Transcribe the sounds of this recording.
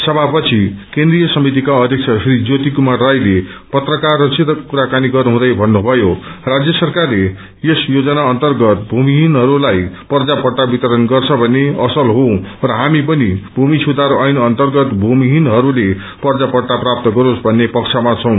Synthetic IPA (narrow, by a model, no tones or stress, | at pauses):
sʌbʱapʌt͡sʰikẽnd̪rijʌsʌmit̪ikaʌd̪ʱjʌk̚t͡sʰʌsrid͡zot̪ikumarrajle | pʌt̪rʌkarːʌt͡sit̪ʌkkuɾakaniɡʌruɦũd̪ʌjbʱʌnːubʱʌjorad͡zjʌsʌrkarle | jesjod͡zʌnaʌnt̪ʌrɡʌt̪̚bʱumiɦinɦʌɾulajpʌrd͡zapʌɽʈabit̪ʌɾʌnɡʌrt͡sʰʌbʱʌnːeʌsʌlɦõrʌɦamipʌnibʱumisʰud̪aɾuʌjnʌnt̪ʌrɡʌt̪bʱumiɦinɦʌɾule | pʌrd͡zapʌrʈaprap̚t̪ʌɡʌɾosbʱʌnːepʌkt͡sʰamat͡sʰʌ̃w̃